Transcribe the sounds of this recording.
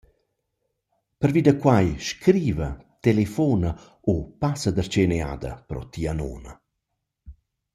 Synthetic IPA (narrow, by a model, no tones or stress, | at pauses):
pəɾviːd̪əkwajʃkɾiːvət̪elefɔnə | opasəd̪ərt͡ʃenea̰d̪ə̰pɾɔ̰t̪iano̰ːnə̰